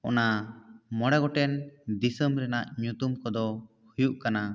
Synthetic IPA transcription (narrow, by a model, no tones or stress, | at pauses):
ɔnamɔɽaɡɔʈɛnd̪isəmɾɛnaʔɲut̪umkɔd̪ɔ | hujuʔkana